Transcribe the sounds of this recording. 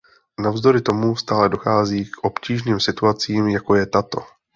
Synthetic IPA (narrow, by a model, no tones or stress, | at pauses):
navzd̪o̞ɾɪt̪o̞must̪aːlɛdo̞xaːziːkʔo̞pciːʒniːmsɪt̪uat͡siːmjako̞jɛt̪at̪o̞